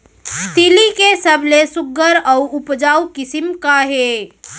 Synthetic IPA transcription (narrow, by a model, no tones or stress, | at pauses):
st̪ilikesəbʱlesʊɡəɾɔːʊpd͡ʒaːukɪsimkaɦeː